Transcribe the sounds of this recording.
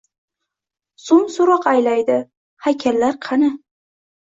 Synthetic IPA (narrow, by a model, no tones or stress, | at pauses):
sʊmsʊɾɒqajlajd̪ɪ | hakʲʰalːaɾqʰɑnɪ